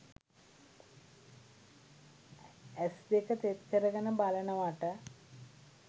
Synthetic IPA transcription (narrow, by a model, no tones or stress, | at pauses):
esd̪ekət̪et̪kəɾəɡɐnəbalɐnəʋɐʈə